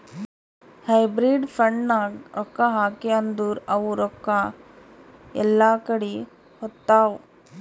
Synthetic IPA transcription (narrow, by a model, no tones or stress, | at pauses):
hɐjbɾiɖfʰɾɐɳɖnaɾɔkːɐɦaːkeɐnd̪uːɾɐʋuɾɔkːɐ | ɛ̰lːaːkɐɽi | hɔt̪ːaːʋ